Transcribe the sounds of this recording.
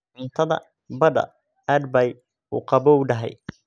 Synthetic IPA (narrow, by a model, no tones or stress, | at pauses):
ʔʊnt̪ʰɐðɐ̰ | bɐdɐ̰ | æd̪bɐj | ṵqɑbɔɖɐɦɛ̰j